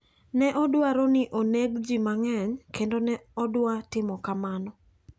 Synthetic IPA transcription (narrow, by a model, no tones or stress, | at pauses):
nɛʔɔdwaɾonɪʔoneɡd͡ʒimaŋɛɲkendonɛɔdwatɪmɔkamanɔ